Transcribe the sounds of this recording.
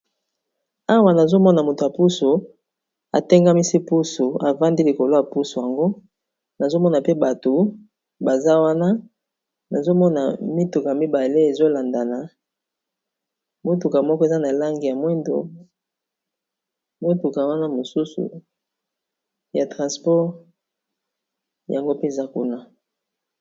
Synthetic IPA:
a˦wa˨na˨zo˦mɔ˦na˨mo˨to˨ja˨pu˦so˨ | a̰˨te˦ŋɡa˦mi˦si˦pu˦su˨a˨va˦ndi˦li˨ko˨lo˦ja˨pu˦su˨ja˨ŋɡo˦ | na˨zo˦mɔ˦na˨pe˦ba˨to˨ | ba˨za˦wa˦na˦ | na˨zo˦mɔ˦na˨mi˦tu˨ka˨a˨mi˦ba˨le˦e˨zo˦la˨nda˨na˨ | mo˦tu˨ka˨mɔ˦kɔ˦e˨za˦na˨la˦ŋɡi˨ja˨mwɛ˦ndo̰˨ | mwe˦tu˨ka˨wa˦na˦mo˨su˦sṵ˨ | ja˨tʁã˨spɔ˦ʁ | ja̰˨ŋɡo˦pe˦˨za˦ku˦na˦

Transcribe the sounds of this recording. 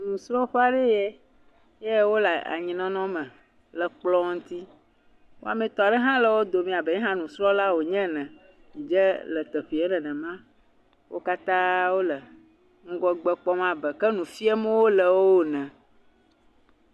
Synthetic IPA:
nũ˨sɾɔ˦ɸa˨ɖe˦jɛ˦ | jɛ˦wo˦la˨a̰˨ɲĩ˨nɔ̃˦nɔ̃˦mɛ̃˨ | lə˨k͡plɔ˦ŋ̩˦t̪i˦ | wo˦a˨mɛ̃˨t̪ɔ˨a˨ɖɛ˦ɦã˦lə˨wo˦d̪o˨mĩ˨a˨bɛ˨˦ɛ̃˦ɦã˦nũ˨sɾɔ̃˦la˦wo˨ɲɛ̃˦nɛ̃˨ | mĩ˨d͡ʒɛ˦lə˨t̪ə˨ɸi˨ɛ˦nɛ̃˨nɛ̃˨mã˦ | wʔo̰˦ka˦t̪ã˦wo˦lə˨ | ŋ̩˦ɡɔ˦ɡ͡bɛ˦k͡pɔ˦mã˦bə˨kə˦nũ˨fi˦ɛ˦mɛ̃˦wo˦lə˨wo˦o˦˨nɛ̃˨

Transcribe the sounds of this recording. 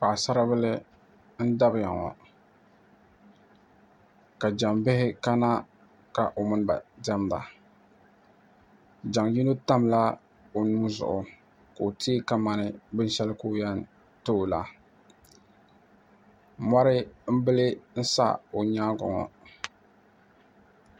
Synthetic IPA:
pa˨sa˦ɾa˦bɨ˦lɨ˦ | n̩˦da˦bja̰˨ŋɔ̰˨ | ka˨d͡ʒa˨mbɪ˦hɪ˦ka˦na˦ | ka˨ʔo˨mɨ˦n˦ba̰˨dɛ˦mba̰˨ | d͡ʒa˨ŋji˦no˦ta˦mla˦ | o˨nuː˦zʊ̰˨ʔʊ˨ | ka˨o˨tʰi˦ka˨ma˨nɨ˨bɨ˦n˦ʃɛ˦lɨ˦ko˦jɛ˦n˨ | to˦˨la̰˨ | ma˦ɾɪ˦m̩˦bɨ˦lɨ˦n̩˦sa̰˦o˨ɲaː˦ɡɔ̰˨ŋɔ̰˨

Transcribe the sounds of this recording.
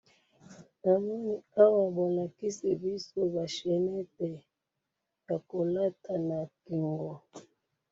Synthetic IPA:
na˨mɔ˦ni˨a˦wa˨bɔ˨na˨ki˦si˨bi˦so˦ba˨ʃɛ˨nɛ˦tɛ˨ | ja˨ko˨la˦tʰa˨na˨ki˨ŋɡɔ˨

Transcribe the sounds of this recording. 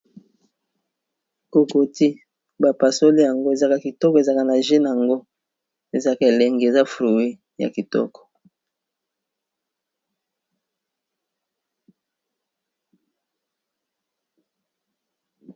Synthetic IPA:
ko˨ko˨ti˦ | ba˨pa˨so˦li˦ja˨ŋɡo˦e˨za˦ka˦ki˨tɔ˦kɔ˨e˨za˦ka˦na˨ʒe˦na˨a˨ŋɡo˦ | e˨za˦ka˦e˨lɛ˨ŋɡe˨za˦fɾu˨we˦ | ja̰˨ki˨tɔ̰˦kɔ̥˨

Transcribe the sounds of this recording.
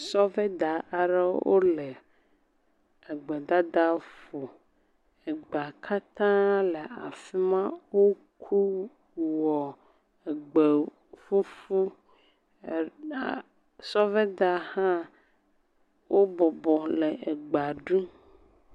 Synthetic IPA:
sɔ˦vɛ˦d̪a˨ʔa˨ɖɛ˦wo̰˦lɛ˨ | e˨ɡ͡be˨d̪a˦d̪a˦fu˨ | e˨ɡ͡ba˨kʰa˦t̪ã˦lɛ˨a˨fi˦mã˦wo˦ | kʰu˦ | wɔ˨ | e˨ɡ͡be˨ | fu˦fu˦˨ | sɔ˦vɛ˦d̪a˨hã˦ | wo˦bɔ˨bɔ˨lɛ˨ʔe˨ɡ͡ba˨ɖũ˦

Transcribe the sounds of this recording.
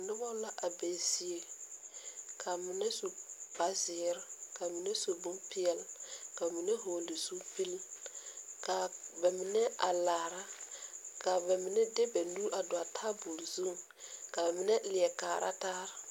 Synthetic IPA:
nɪ˦bɔ˦la˦ʔa˨be˨si˦e˨ | kʰa˨mɪ˨nɛ˦so˨ba˨˦zɪː˨˦ɾka˨mɪ˨nɛ˦so˨bu˦mpɪ˦ɛ˦lka˨mɪ˨nɛ˦ɦoː˨li˨zu˦pi˦l | ka˨bɛ˨mɪ˨nɛ˦a˨laː˨ɾa˦ka˨bɛ˨mɪ˨nɛ˦dɛ˦bɛ˨nuː˦ʔa˨dʊ˨a˨tʰa˦bu˨lzu˦˨ | ka˨ba˨mɪ˨nɛ˦lɪ˨ɛ˨kaː˨ɾʔa̰˦taː˦ɾɪ˦˨

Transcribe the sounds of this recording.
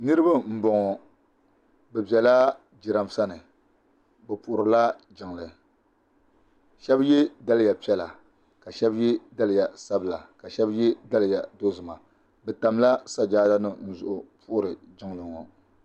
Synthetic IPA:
nɨ˦ɾɨ˦ba˦m̩˦bɔ˨ŋɔ˨ | bɛ˨bɛ˨la˦ | d͡ʒi˨ɾa˨m˨sa˦nɨ˨ | bɛ˨pʊ˨ʔʊ˨ɾɨ˨la˦d͡ʒɪ˨ŋ˨lɨ˨ | ʃɛ˦bjɛ˦da˦lɨ˦ja˨pi˦ɛ˦la˨ | ka˨ʃɛ˦bjɛ˦da˦lɨ˨ja˨sa˦bɨ˦˨la˨ka˨ʃɛ˦bjɛ˦da˦lɨ˨ja˨do˦zɨ˨ma˨ | bɛ˨ta˨m˦la˦sa˦d͡ʒaː˦da˦nɨ˦n̩˦zʊ˨ʔʊ˨pʰʊ˦ʔʊ˦ɾɨ˨ | d͡ʒɪ˦ŋlɨ˨ŋɔ˨

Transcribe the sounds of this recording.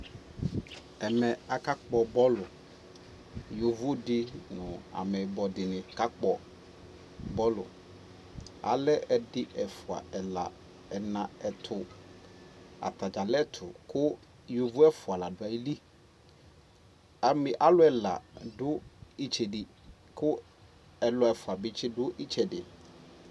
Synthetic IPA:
ɛ˨mɛ̃˨a˨ka˦k͡pɔ˨bɔ˦lʊ˨ | jo˨vʊ˦dɪ˦nʊ̃˨a̰˨mɛ˨bɔ˨dɪ˨nɪ̃˨ka˦k͡pɔ˦ | bɔ˦lʊ˨ | a̰˨lɛ˦ʔɛ˨dɪ˦ʔɛ˨fʊ˨a̰˨ɛ˨la̰˨ | ɛ˨nã˨ɛ˨tʰʊ˨ | a̰˨t̪a˨d͡ʒa˨lɛ˦t̪ʰʊ˨kʰʊ˦ | jo˨vʊ˦ɛ˦fʊ˨a˨la˨dʊ˨a˨i˦li˦ | a˨mɪ̃˨ʔa˦lʊ˦ɛ˨la̰˨dʊ˦i˦t͡ʃʰɛ˨di˨ | kʰʊ˦ | ɛ˨lɔ˦ɛ˨fʊ˨a˨bɪ˨˦t͡ʃɪ˦dʊ˦ʔi˦t͡ʃʰɛ˨dɪ˨

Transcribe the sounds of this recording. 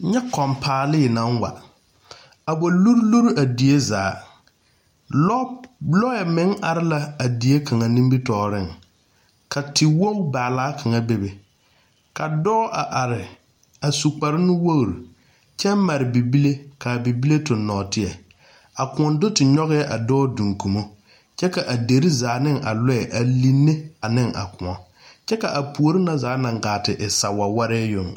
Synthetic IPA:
ɲɛ˦kɔ˨mpʰaː˨lɪ˦˨nã˦ŋwa̰˨ | a˨bo˨lu˦ɾlu˦ɾa˨di˨e˦zaː˨˦ | ɔ˦lɔ˦jɛ˨mɪ̃˨˦ŋa˨ɾɪ˦la˦a˨di˨e˦kʰa˨ŋa˨nĩ˦mbi˦tɔː˨ɾɪ˦˨ŋ | kʰa˨tɪ˨wo˦u˦baː˨laː˦kʰa˨ŋa˨be˨be˨ | ka˨dɔː˦ʔa˨ʔa˨ɾɪ˨ | a˨su˨k͡pa˨ɾɪ˦nɪ˦wo˦ɣɾu˨ | t͡ʃɛ˦ma˨ɾɪ˨bi˨bi˦le˦ka˨bi˨bi˦le˦tʊ˨nːɔː˨tɪ˦ɛ˨ | a˨kʊ̃˨ɔ˨ndʊ˦tɪ˨ɲɔ˦ɣɛ˦ɛ˦ʔa˨dɔː˦dũ˨ŋku˨mo˦ | t͡ʃɛ˦ka˨ʔa˨de˨ɾi˦zaː˨nɪ˦ŋʔa˨lɔ˦ɛ˨ʔa˨li˦nːe˦a˨nɪ˦ŋa̰˨kʊ˨ɔ˨ | t͡ʃɛ˦ka˨ʔa˨pu˨o˨ɾɪ˦na˨zaː˨˦na˨ŋ˨ɡaː˨tɪ˨ʔɪ˨sa˨wa˨wa˦ɾɛ˦jʊ˨ŋ

